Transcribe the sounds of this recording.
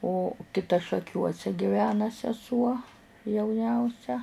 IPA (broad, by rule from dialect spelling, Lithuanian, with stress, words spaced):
oː kʲɪˈtɐ ʃɐˈkʲuɔsʲɛ ɡʲɪˈʋʲæːnɐ sʲɛˈsuɔ jɛʊˈnʲɛʊsʲɛ